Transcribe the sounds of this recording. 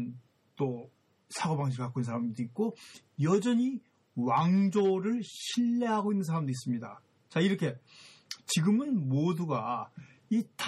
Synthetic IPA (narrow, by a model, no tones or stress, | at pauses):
n | t͈o | sʰaɡobaŋɕ̬ʰiɾk͈ak͈oinsʰaɾamdɯik̚k͈o | jʌd͡ʑʌɲi | waŋd͡ʑoɾɯɭɕʰiɭːeɦaɡoinːɯnsʰaɾamdɯɾis͈ɯmɲida | t͡ɕaiɾʌkʰe̞ | t͡ɕiɡɯmɯnmoduɡa | itʰ